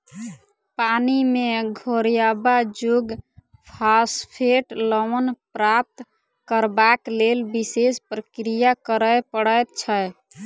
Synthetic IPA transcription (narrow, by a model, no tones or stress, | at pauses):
panimeɡʱoɾijabad͡ʒuɡ | pʰaspʰeʈlɔmənpɾap̚t̪ | kəɾbaklelbisespɾəkɾijakəɾəjpəɽəjt̪̚t͡ʃʰə